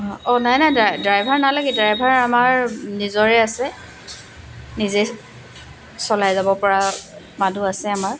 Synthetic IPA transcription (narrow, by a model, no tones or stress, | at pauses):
ɔnajnajdadɹajbʱaɹnalaɡɛdajbʱaɹamaɹnizɔɹɛasɛ | nize | sɔlajzabɔpɔɹa | maduasɛamaɹ